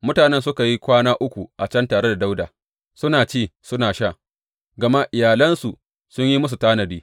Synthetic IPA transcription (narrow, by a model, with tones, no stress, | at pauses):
mʊ˦taː˨nɛ˦nsʊ˦ka˨ji˦kʷaː˦naː˦ʔʊ˦kʷu˨ʔa˨t͡ʃɐ˦ntaː˨ɾe˦da˨da˦wdaː˨ | sʊ˦naː˨t͡ʃeː˦˨sʊ˦naː˨ʃaː˦˨ | ɡɐ˨ma˦ʔɪ˨jaː˨lɐ˦nsu˨ | sʊ˦ɲji˦mʊ˦s̬u˨taː˦nɐ˨biː˦